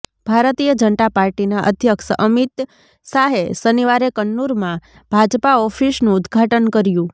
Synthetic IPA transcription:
b̥ʱaɾt̪ijəd͡ʒənt̪apaɾʈinaʔə̰d̪ʱjəkʃəʔəmit̪ | saɦesəniʋaɾekəɳːuɾmã | b̥ʱad͡ʒpaɔfisnũʊd̪ɡʱaʈənkəɾjũ

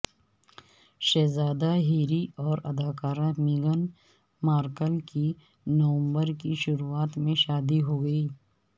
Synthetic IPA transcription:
ʃɛːzaːd̪aɦiːɾiɔːɾɐd̪aːkaːɾãmiɡən | maːɾkəlki | nɐʋə̃mbəɾkiʃʊɾuaːt̪mẽʃaːd̪iɦoːɡɐiː

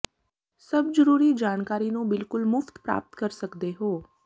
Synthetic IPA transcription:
səbzəɾuːɾid͡ʒaːɽkaːɾinũbɪlkʊlmʊft̪pɾa̰ːp̚t̪kəɾsəkd̪eɦoː

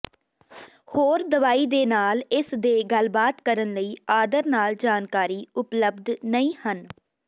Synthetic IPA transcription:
hoːɾd̪əʋaːiːd̪eːnaːlɪsd̪eːɡəlbaːt̪kəɾənləiːaːd̪əɾnaːld͡ʒaːnkaːɾiːʊpləbd̪nəĩːhən

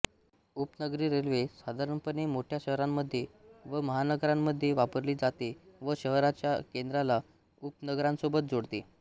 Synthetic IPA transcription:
upnəɡɾiːɾelʋesad̪ʱaɾəɳpənemoʈʰjaɕəɦɾamːəd̪ʱːjeʋəməɦanəɡɾãmːəd̪ʱːjeʋapəɾliːd͡zat̪eʋəɕəɦɾat͡ɕjakend̪ɾala | up̚nəɡɾãnsobət̪̚d͡zoɽt̪e

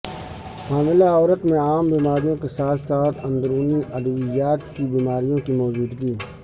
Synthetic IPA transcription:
haːmɪlaɔːɾət̪mẽaːmbiːmaːɾijõkesaːt̪ʰsaːt̪ʰə̃nd̪ɾuːniʔəd̪əʋɪjaːt̪kibiːmaːɾijõkimɔːd͡ʒuːd̪ɡiː

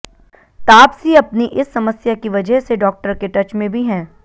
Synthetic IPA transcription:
t̪aːpsiɐpniʔɪsːɐməsjakiʋɐd͡ʒəɦseɖɔːk̚ʈəɾkeʈɐt͡ʃmẽbʱiɦɛ̃ː

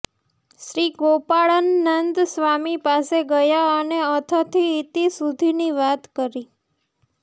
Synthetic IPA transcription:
ʃɾiɡopaɭənːənd̪sʋamipaseɡəjaəneət̪ʰət̪ʰiːt̪isud̪ʱiniʋat̪kəɾi

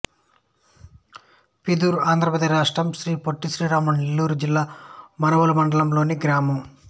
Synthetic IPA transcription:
pid̪uːɾuaːnd̪ɾɐpɾɐd̪ɐɾaːʂʈɾɐmʃɾiːpoʈːiʃɾiːɾaːmɐɳnelːuːɾud͡ʒilːaːmɐnɐʋɐlɐmɐɳɖɐlɐmlo̞ːniɡɾaːmɐm

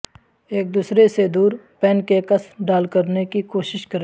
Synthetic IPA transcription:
eːk̚d̪uːsɾesed̪uːɾpɛːnkekɐsmɖaːlkɐɾnekikoːʃɪʃkɐɾe

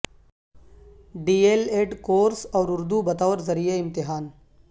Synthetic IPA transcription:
ɖiːeːleːɖkoːɾsɔːɾʊɾd̪ubɐt̪aːʋɾzɐɾijeɪ̃mt̪ɪɦaːn

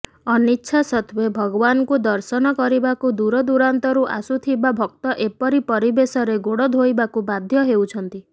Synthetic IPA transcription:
ɔnitːʃʰasɔt̪ʰbebʱɔɡɔbanɔkud̪ɔɾsɔnɔkɔɾibakud̪uɾɔd̪uɾant̪ɔɾuʔa̰sut̪ʰibabʱɔk̚t̪ɔʔepɔɾipɔɾibesɔɾeɡoɽɔd̪ʱojbakubad̪ʱjɔɦewt͡ʃʰɔnt̪i

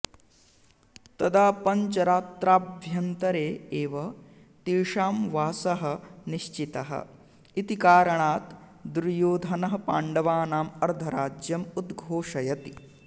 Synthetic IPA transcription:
t̪ɐd̪aːpɐɲt͡ʃɐɾaːt̪ɾaːbʱjɐnt̪ɐɾeːeːʋɐ | t̪iːʂaːmʋaːsɐɦɐ̆niʃt͡ʃit̪ɐɦɐ̰ | it̪ikaːɾɐɳaːt̪ | d̪uɾjoːd̪ʱɐnɐɦɐ̆pa̰ːɳɖɐʋaːnaːmɐɾd̪ʱʰɐɾaːd͡ʒjɐmud̪ɡʱoːʂɐjɐt̪i

